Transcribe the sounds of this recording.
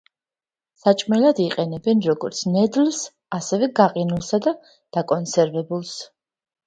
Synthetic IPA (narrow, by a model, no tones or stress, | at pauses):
sat͡ʃʼmɛlad̪iqʼɛnɛbɛnɾɔɡɔɾt̪sʰnɛd̪ls | asɛvɛɡaqʼinulˠsad̪a | d̪̥akʼɔnsɛɾvɛbulˠs